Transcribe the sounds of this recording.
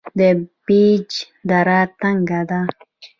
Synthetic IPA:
d̪ebid͡ʒ | d̪aɾat̪aŋɡad̪a

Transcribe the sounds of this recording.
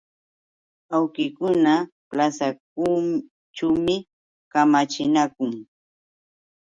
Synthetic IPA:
awkɪkʊna | plasak̚uː | ʈ͡ʂaːmɪ | kamat͡ʃɪnakʊŋ

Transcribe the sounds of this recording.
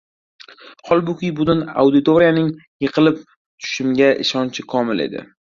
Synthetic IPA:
hɒlˠbʊkʲɪjbʊd̪ʊna̰wd̪ɪt̪ʰoɾijanɪŋjɨqʰɨlɪp̚ | t̪ʰʊ̥ʃɪmɡʲaʔɪ̰ʃɒnt͡ʃʰɪkʰɒmɪle̞̰d̪ɪ̰

